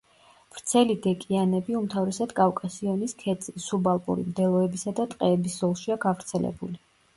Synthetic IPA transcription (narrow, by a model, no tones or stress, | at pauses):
v̥ɾt̪sʰɛlid̪ɛkʼianɛbiumt̪ʰavɾɛsad̪kʼavkʼasiɔniskʰɛt̪sʼisubalˠpʼṵɾḭmd̪ɛlˠɔɛbisad̪at̪ʼqʼɛːbiszɔlˠʃiaɡavɾt̪sʰɛlɛ̰buli